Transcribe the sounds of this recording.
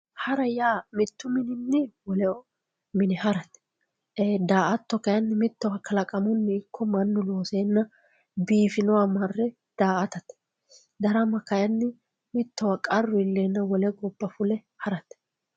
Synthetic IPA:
hɐɾɐjaːmɪt̪ːʊmɪnɪnːɪwɔlɛɔ | mɪnɪhɐɾɐt̪ː | d̪aːʔɐt̪ːɔkɐjɐnːɪmɪt̪ːɔwɐkʰɐlɐkʼɐmʊnːɪɪkːɔmɐnːʊloːseːnːɐ | biːfɪnɔwamɐrːɛ | d̪̥aːʔɐt̪ɐt̪ | d̪ɐɾɐmɐkɐjɐnːɪ | mɪt̪ːɔwɐkʼɐrːʊɪlːeːnːɐwɔlɛɡɔbːɐfʊlɛ | hɐɾɐt̪

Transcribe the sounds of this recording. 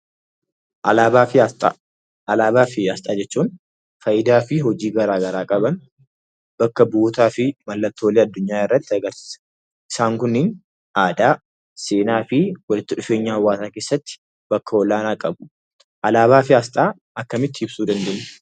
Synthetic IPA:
ʔɐlaːafɪt̪ʼː | ɐlaːbaːfɪast̪ʼaːd͡ʒɛt͡ʃːuːn | fɐjɪd̪aːfɪɦɔd͡ʒiːɡɐɾaːɡɐɾaːkʼɐbɐn | b̥ɐkːɐbuːt̪aːfɪmɐlːɐt̪ːoːleːɐd̪ːʊɲːaːɪrːɐt̪ːɪɐɡɐɾsi̥s | ʔɪsaːŋkʊnːɪn | aːd̪aː | seːnaːfɪwɐlɪt̪ːɪᶑʊfe̞ːɲːaːhɐwːaːsaːke̞ːsːɐt̪ːɪ̥ | b̥ɐkːɐɔlaːnaːkʼɐbʊ̥ | ʔɐlaːβaːfɪaːst̪ʼaː | ɐkːɐmɪt̪ːɪɪb̥suːd̪ɐnd̪eɲː

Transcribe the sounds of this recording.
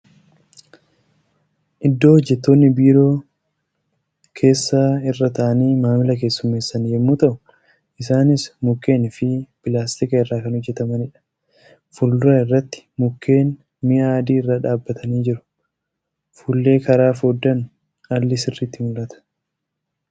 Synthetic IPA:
ʔɪd̪ːo̞ːhɔd͡ʒːɛt̪ːo̞ːnːɪbiːɾo̞ː | kʰe̞ːsːaːɪrːɐt̪ɐʔɐniːmaːmɪlɐke̞ːsːʊmːe̞ːsːɐnjɛmːuːt̪ɐʔʊ̥ | ʔɪsaːnɪsmʊkːe̞ːnɪfɪpɪlaːst̪ɪkɐɪrːaːkɐnhɔd͡ʒːɛt̪ɐmɐnɪᶑɐ̥ | fʊlːʊɾɐɪrːɐt̪ːɪ̥mʊkʰːe̞ːn | mɪʔaːd̪iːɪrːaːᶑaːbːɐt̪ʰɐniːd͡ʒɪɾʊ̥ | fuːlːe̞ːkɐɾaːfoːd̪ːɐn | ɐlːɪsɪrːit̪ːɪmʊlʔɐt̪ɐ̥

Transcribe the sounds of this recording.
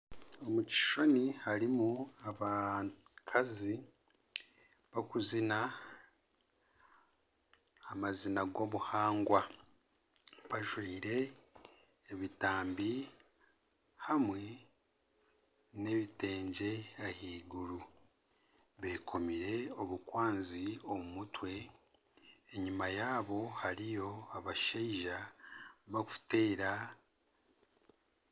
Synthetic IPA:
omuci̥ʃo̞nihaɾimuaβa | kʰazi | βakuzina | mazinaɡo̞βuhaːŋɡwa | βaʒwiːɾe̞ː | βitaːmbi | hamwe | ne̞βite̞ːɲɟe̞ahiːɡuɾu | βe̞kʰo̞miɾe̞o̞βukwaːnziomumutwe̞ | eɲimajaːβo̞haɾijo̞aβaʃeiʒa | βaku̥te̞ːɾa

